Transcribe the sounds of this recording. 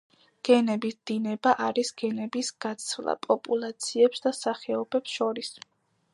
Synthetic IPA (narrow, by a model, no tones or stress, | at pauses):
ɡ̥ɛnɛbisd̪̥inɛbaʔaɾisɡ̥ɛnɛbisɡ̥at̪sʰvlˠa̰pʼɔpʼulˠat̪sʰiɛpsd̪asaχɛɔb̥ɛpsʃɔɾis